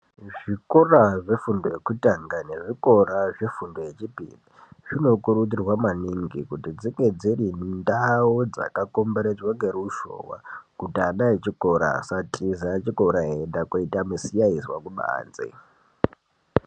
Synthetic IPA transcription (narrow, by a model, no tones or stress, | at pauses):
ʐikoraʐe̞fundojekutaŋɡane̞ʐiko̞raʐefundoje̞t͡ʃipḭːniʐ̥ino̞kuɾutirwamaniŋɡikutid͡ziŋɡe̞d͡zirindaod͡za̰kakombeɾed͡zwaŋɡeɾuʃo̰ːwa̰kutiaɗaet͡ʃiko̞ɾa̰satʼizat͡ʃiko̞ɾaɦendakoitamusijaiswakuɓa̰ːnd͡zḛ